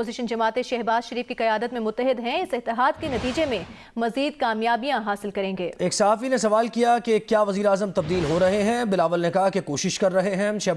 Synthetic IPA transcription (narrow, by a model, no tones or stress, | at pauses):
oːzɪʃənd͡ʒɐmaːt̪eʃɛɦbaːz̥ʃɐɾiːfkiqɐjaːd̪ət̪mẽmʊt̪ːəɦɪd̪ɦɛ̃ɪsɪt̪ːɪɦaːd̪kenɐt̪iːd͡ʒemẽ | mɐziːd̪kaːmjaːbijãɦaːsɪlkɐɾẽːŋɡeːeːksɐɦaːfinesɐʋaːlkijakekjaːʋɐziːɾaːzəmt̪ɐb̚d̪iːlɦoɾɐɦeɦɛ̃ːbɪlaːʋəlnekɐɦakekoːʃɪʃkɐɾːɐɦeɦɛ̃ʃɛɦ